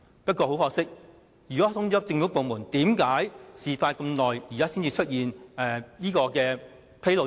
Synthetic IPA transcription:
pɐ˥t̚kʷɔː˧ho˨˥wfɔː˧k̚sɪ˥k̚ | jyː˨˩kɔː˨˦˥t̪ʰʊ˥ŋt͡ʃɔː˨˥t͡sɪ˧ŋfu˨˥po˨wmuː˨˩nt̪iː˨˥mkaː˨˥jsiː˨˩faː˧jkɐ˧mlɔː˨jjiː˨kaː˥si˥nt͡siː˧t͡ʃʰt̚jiː˨nɛ˨˧niː˥kɔː˧kɛː˧ | pʰe˥jlo˨˧

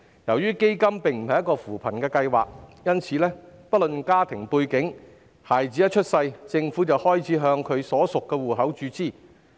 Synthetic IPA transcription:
jɐ˨˩wjyː˥ke˥jkɐ˥mpɪ˨ŋm̩˨˩hɐ˨jɐ˥kːɔː˧fuː˨˩pʰɐ˨˩nkɛː˧kɐ˧jwa̰ː˨˩k̚jɐ˥nt͡sʰiː˨˧lɛː˥pɐ˥t̚lɵ˨nkaː˥t̪ʰɪ˨˩ŋpuː˧jkɪ˨˥ŋ | haː˨˩jt͡siː˨˥jɐ˥t͡ʃʰɵ˥t̚sɐ˧jt͡sɪ˧ŋfuː˨˥t͡sɐ˨whɔː˥jt͡sʰiː˨˥ɦœː˧ŋkʰɵ˨˧ɥsɔː˨˥sʊ˨kːɛː˧wuː˨˩ɦɐ˨˥wt͡ʃyː˨˧t͡siː˥˩

